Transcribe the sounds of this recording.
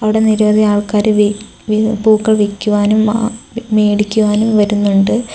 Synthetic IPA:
ɐʋiɽe̞niɾɐʋɐd̪ʱiaːɭkaːɾɨʋ | ʋipuːkːɐɭʋikʲːuʋaːnumme̞ːɽikʲːuʋaːnumʋɐɾunːuɳɖɨ

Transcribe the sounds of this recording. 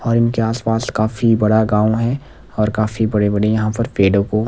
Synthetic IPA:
ɔːɾɪnkeaːspaːskaːfibɐɽaɡãːoɦɛ | ɔːɾkaːfibɐɽebɐɽejɐɦãpɐɾpeːɖõko

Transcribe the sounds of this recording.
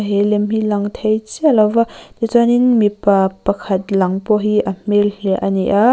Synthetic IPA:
ɦilɛmɦilɐŋt̪ʰejt͡sɛlɐvat̪it͡saninmipapɐkʰɐt̪̚lɐŋpɔɦiʔɐm̥elhɛʔɐniʔa

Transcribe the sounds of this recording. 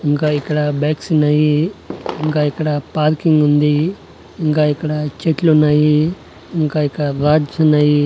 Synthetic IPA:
iŋkaːikːɐɽɐbaːksinɐjiiŋkaːikːɐɽɐpaːɾkiŋɡund̪i | iŋkaːikːɐɽɐt͡ʃeʈlunːaːji | iŋkaːikːɐɽɐɾaːd͡ʒunaːji

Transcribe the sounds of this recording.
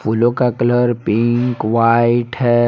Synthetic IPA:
fulokakləɾpiŋkʋaiʈʰɛ

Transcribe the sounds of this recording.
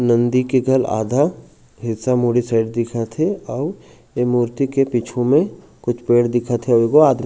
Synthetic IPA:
nə̃nd̪ikeɡʱɐla̰ːd̪ʱa | ɦɪt̪samuɽisaːɪɖd̪ɪkʰat̪ʰeɔːɾ | emuːɾt̪ikepit͡ʃʰũmẽ | kʊt͡ʃʰpeːɽd̪ɪkʰat̪ʰeokoaːd̪

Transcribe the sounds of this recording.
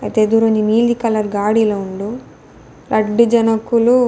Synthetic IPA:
ɐ̰jt̪eːd̪uɾoɲd͡ʒimiːld̪ikɐlɐɾɡaːɽilouɳɖu | ɾʔɐɖːid͡ʒɐnɐkːulu

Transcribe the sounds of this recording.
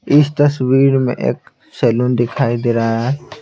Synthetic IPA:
ɪst̪ɐswiːɾmḛ̃ʔḛːk | sɛːluːnd̪ɪkʰaːid̪eːɾaɦɛː

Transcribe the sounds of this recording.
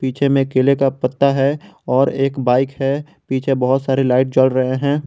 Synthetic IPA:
piːt͡ʃʰemẽkeːlekapət̪ːaɦɛɔːɾeːkbaːɪkɦɛ | piːt͡ʃʰebɐɦʊt̪saːɾelaːɪʈ̚d͡ʒəlɾɐɦeɦɛ̃ː

